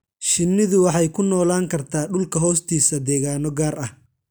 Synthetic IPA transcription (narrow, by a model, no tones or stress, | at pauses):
ʃɪnːɪðʊwɑħɑjkʰʊnɔːlaːŋkʰɐrt̪ʰaːɖʊlkʰɐɦɔːst̪ʰiːsɐd̪ɛːɣaːnɔɡaːrɐh